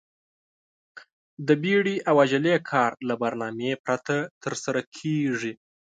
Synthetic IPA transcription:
d̪əbiɽiʔawaʒalekʰɑɾlabaɾnɑmepɾat̪ʰat̪əɾsaɾakʰeʐi

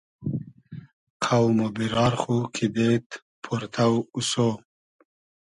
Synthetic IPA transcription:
qʰawmobiɾɑːɾχukʰibet̪ | pʰuɾt̪ʰawuso

